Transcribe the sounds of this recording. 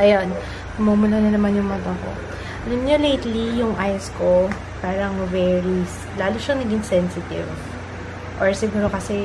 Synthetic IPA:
ʔɐjon | kʊmoːmʊlɐnɐnɐmanjʊŋmɐt̪ɐko̰ | ʔɐlɐmɲolejt̪lijʊŋʔaːjosko̞ | paːɾɐŋvɛːɹis | laːlʊʃɐŋnɐɡɪŋsɛnsɪt̪ɪ̰v | ʔoɹsɪɡuːɾo̞kɐsɛ

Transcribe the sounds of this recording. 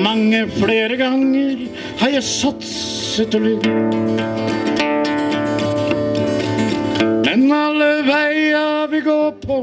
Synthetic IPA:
mɑŋːəfɽeːɾəɡɑŋːəɾ | hɑjæsɑt̪s | ɛt̪əlʉ | mɛnɑlːəʋæɪɑʋɪɡoːpʰɔ

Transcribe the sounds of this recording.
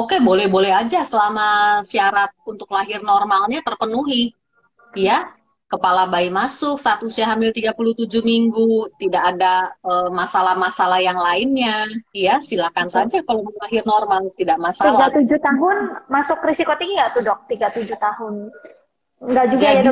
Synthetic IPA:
okebolɛhbolɛɦad͡ʒasəlamasiaɾat̪̚unt̪ʊklaɦɪrnɔrmalɲat̪ərpənuɦi | ja | kəpalabaimasʊksat̪usiaɦambɪlt̪iɡapuluht̪ud͡ʒuhmiŋɡut̪idaʔːdaəːmasalahmasalahjaŋlaɪnɲajasilakansad͡ʒakaloməlaɦɪrnɔrmalt̪idaʔmasailaɡat̪ud͡ʒut̪aɦʊnmasʊkɾisikot̪iŋɡat̪udɔk̚t̪iɡat̪ud͡ʒut̪ahʊn | ŋɡaʔd͡ʒuɡaa

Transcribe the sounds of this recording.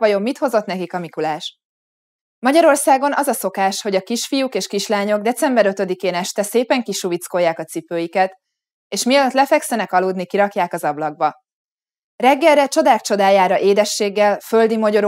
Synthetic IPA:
ɒjo̞mːit̪ho̞zo̞t̪nɛkikɒmikulaːʃ | mɒɟɒɾo̞rsaːɡo̞nʔɒzɒso̞kaːʃho̞ɟɒkiʃfijukeːʃkiʃlaːɲo̞ɡ̚d̪ɛt̪sɛmbɛɾøt̪ø̞d̪ikeːnɛʃt̪ɛseːpɛŋkiʃuvit̪sko̞jːaːkɒt̪sipøːjikɛt̪ | eːʃmiɒløt̪lɛfɛksɛnɛkɒluːd̪nikiɾɒkjaːkɒzɒblɒɡ̚bɒ | rɛɡːɛlːɛt͡ʃo̞d̪aːkt͡ʃo̞d̪aːjaːɾɒʔeːd̪ɛʃːeːɡːɛlfø̞ld̪imɒɟo̞ɾ

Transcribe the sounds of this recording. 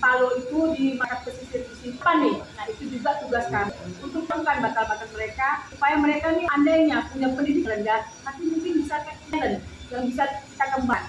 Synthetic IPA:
paloit̪udimanap̚kəsisɪt̪̚musitanɪnait̪ud͡ʒuɡat̪uɡaskamunt̪ʊk̚təŋkanbat̪abakanməɾekasupajaməɾekaniandaɲapuɲapəndidɪklənɡat̪apimuŋkɪnbisaka | ɾən | jaŋbisabisakəmbaŋ

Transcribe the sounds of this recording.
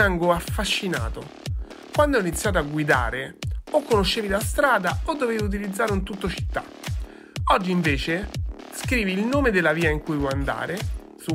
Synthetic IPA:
aŋɡoafːaʃːina̰ːt̪o | kwand̪ɛinit̪sjaːt̪̬oaɡːwid̪a̰ːɾeokːonoʃːeːvid̪ast̪ɾaːd̪aod̪ːoveːviut̪̬ilid̪zːaːɾeunt̪ut̪ːot͡ʃi̥t̪ːa̰ | ɔd͡ʒːiɱveːt͡ʃeskɾiːviːlnoːmed̪elːaviːaiŋkujvɔand̪a̰ːɾe | su

